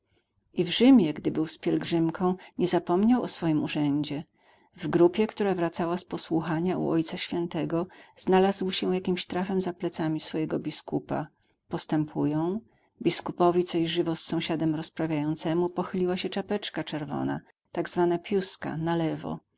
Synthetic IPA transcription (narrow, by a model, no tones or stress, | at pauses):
ʔivʐɘmʲjɛɡd̪ɘbɘwspʲjɛlɡʐɘmkʰɔ̃w̃ɲɛzapɔmɲawɔsfɔjimuʐɛɲd͡ʑɛ | vɡɾupʲjɛkt̪uɾavɾat̪sawaspɔswuxaɲaṵʔɔjt̪saɕfʲjɛnt̪ɛɡɔz̥nalazwɕɛ̃jakʲimɕt̪ɾafɛmzaplɛt̪samʲisfɔjɛɡɔbʲiskupa̰ | pɔst̪ɛmpʰujɔ̃w̃ | bʲiskupɔvʲit̪sɔɕʐɘvɔsːɔ̃w̃ɕad̪ɛmɾɔspɾavʲjajɔnt̪sɛmupɔxɘlʲiwaɕɛt͡ʂapɛt͡ʂkat͡ʂɛɾvɔ̰na̰ | t̪aɡzvanapʲjuska̰nalɛvɔ̰